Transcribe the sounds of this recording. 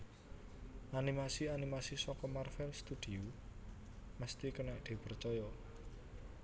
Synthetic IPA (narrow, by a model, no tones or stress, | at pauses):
ʔanimasianimasisɔkɔmarfɛlst̪ud̪̥i̤u | məst̪ikənɛʔd̪̥e̤pərt͡ʃɔjɔ